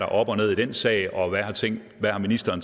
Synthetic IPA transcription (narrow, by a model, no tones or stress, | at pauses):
ɾ̥ɑ̈ʔɒ̽b̥ɒ̽ne̝ðˠid̥ensɛ̰ːɪɒ̽ʋæhɑ̈t͡sʰeŋ̰ | ʋæhɑ̈minisd̥ɐːn